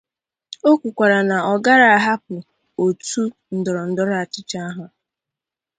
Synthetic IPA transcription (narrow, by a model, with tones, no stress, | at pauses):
o˦kʷu˨kʷa˨ɾa˨na˨ɔ˨ɡa˦ɾa˨a˨ɦa˦k̚ʊ˨ | o˨tu˦ | n̩˨dɔ˨ɾɔ˨n̩˨dɔ˦ɾa˨t͡ʃɪ˦t͡ʃa˦a˦ɦʊ˨